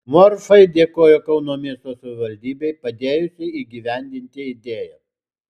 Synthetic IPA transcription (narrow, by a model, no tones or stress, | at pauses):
moːɾfɐɪd̪ʲeːkoːjokɐʊnoːmʲiɛst̪oːsɐʋʲɪʋɐlʲd̪ʲiːbʲɛɪpɐd̪ʲeːjʊsʲɪiːɡʲiʋʲɛnʲd̪ʲɪnʲt̪ʲɪɪd̪ʲeːjɛ